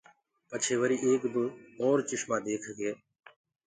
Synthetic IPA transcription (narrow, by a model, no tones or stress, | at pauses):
pət͡ʃʰeːʋəɾiːʔeːkd̪ũːɔːɾt͡ʃɪʃmãːd̪eːkʰɡeː